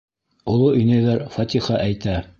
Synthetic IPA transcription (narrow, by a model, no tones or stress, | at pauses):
olˠoɵ̆jnæjðæɾfɑt̪ʲiχɑʔæjt̪æ